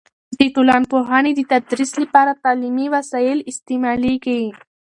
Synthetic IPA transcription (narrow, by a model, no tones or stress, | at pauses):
d̪iʈulɑːnpoɦɑːnid̪it̪ad̪ɾislipɑɾat̪aːlimiwasailist̪imalikai